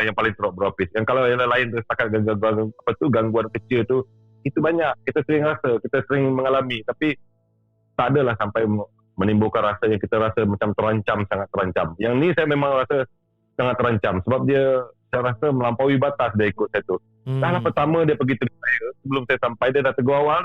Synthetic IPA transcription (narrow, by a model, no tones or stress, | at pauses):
jaŋpalɪŋt̪əɾoʔ̚bəɾapɪsjaŋkalawidəlahlaɪnt̪əisə̥p̪akat̪̚ɡaɡaɡuaaapət̪uɡaŋɡuankət͡ʃɪlt̪u | it̪ubaɲak̚kit̪asəɾɪŋrasəkit̪asəɾɪŋməŋalamit̪api | t̪adəlahsampaj | mənimbukanrasajaŋkit̪əɾasəmat͡ʃamt̪əɾaɲt͡ʃamsaŋat̪ːəɾaɲt͡ʃamjaŋnisajəmemaŋrasa | saŋat̪ːəɾaɲt͡ʃamsəbap̚diasajəɾasəməlampawibat̪asdaikʊt̪sajat̪u | tahlahpərt̪amadiəpəɡit̪əɡusajəsəbəlʊmsajəsampajdiədaht̪əɡuawal